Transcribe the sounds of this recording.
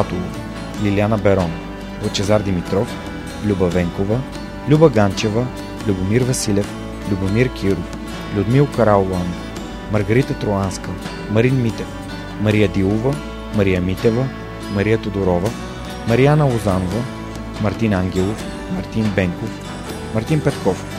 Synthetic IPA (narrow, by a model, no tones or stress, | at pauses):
at̪olˠof | lʲilʲianɐbɛɾɔn | ot͡ʃɛzaɾd̪imit̪ɾɔf | lʲubɐvɛŋkovə | lʲubɐɡant͡ʃɛvə | lʲubomiɾvɐsilʲɛf | lʲubomiɾkʲʰiɾʊf | lʲʊd̪milˠkɐɾallˠanof | mɐɾɡɐɾit̪ət̪ɾoanskə | mɐɾinmit̪ɛf | mɐɾijəd̪ilˠovɐ | mɐɾijəmit̪ɛvɐ | mɐɾijət̪od̪oɾɔvɐ | mɐɾianəlˠozanovə | mɐɾt̪inaŋɡʲɛlˠof | mɐɾt̪inbɛŋkof | mɐɾt̪inpɛt̪kɔf